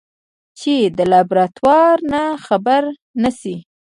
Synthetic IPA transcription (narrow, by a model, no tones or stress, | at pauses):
t͡ʃed̪əlabɾat̪wɑɾnaxabaɾ | nasi